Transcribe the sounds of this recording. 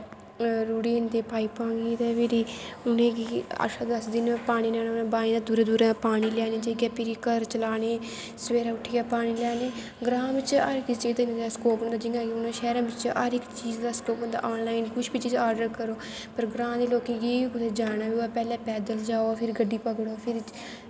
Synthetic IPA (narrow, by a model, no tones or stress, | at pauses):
ɾuːʈiːnd̪eːpaːiːpãːɡiːt̪eːʋeɾiːʊnẽːkiə̰ʃaːd̪əsd̪ɪnpaːɽ̃iːlɛːnaːʊnãːbaːnĩːd̪aːd̪uːɾãːd̪uːɾãːpaːɽ̃iːlɛːneːd͡ʒeːɡɛːpɪɾikəɾt͡ʃəlaːneː | sʋeːɾaːʊʈʰːiːɡaːpaːɽ̃iːlɛːneː | ɡɾãːʋɪt͡ʃa̰ɾɪkɪt͡ʃeːt̪aɪnaːskoːpbənd̪aːd͡ʒɪŋɡãːkiʊnãːʃɛːɾãːbɪt͡ʃa̰ːɾɪkt͡ʃiːzd̪aːskoːp̚bənd̪a̰ːʔoːnlaːɪnkʊʃʰbiːt͡ʃiːd͡ʒaːɾɖəɾkəɾoː | pəɾɡɾãːd̪eːloːkẽːɡiːiːkʊt̪eːd͡ʒaːñaːʋiːaːpɛːlɛ̃ːpɛːd̪əld͡ʒaːoːpʰɪɾɡəɖːiːpəɡɽoːpʰɪɾ